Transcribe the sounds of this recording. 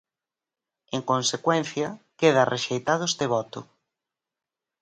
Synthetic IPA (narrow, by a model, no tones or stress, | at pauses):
eŋkonsekwen̟θjɐkeð̞ɐrʔeʃejt̪aðʊest̪eβ̞ɔt̪ʊ̰